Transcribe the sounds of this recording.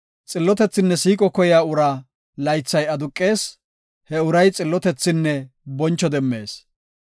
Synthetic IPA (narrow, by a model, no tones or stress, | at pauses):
t͡sʼɪlːɔt̪ɛt͡sːɪnːɛsiːkʼɔkɔjaːʊɾa | lɐjt͡sːɐjɐd̪ʊkʼːeːs | hɛʊɾɐjt͡sʼɪlːɔt̪ɛt͡sːɪnːɛ | bɔnt͡ʃːɔd̪ɛmːe̞ːs